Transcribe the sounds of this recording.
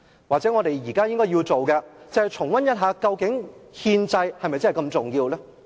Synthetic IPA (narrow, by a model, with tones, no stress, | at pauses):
waː˨k̚t͡sɛː˨˥ŋɔː˨˧ɾe˨jjiː˨˩kaː˥jɪ˥ŋkɔː˥ji˧wt͡so˨wkɛ˧t͡sɐ˨˧hjt͡sʰʊ˨˩ŋwɐ˥njɐ˥t̚ɦaː˨˧kɐ˧wkɪ˨˥ŋhiː˧nt͡sɐ˧jhɐ˨jmɐ˨jt͡sɐ˥ɦjkɐ˧mt͡sʊ˨ŋjiː˧wlɛː˥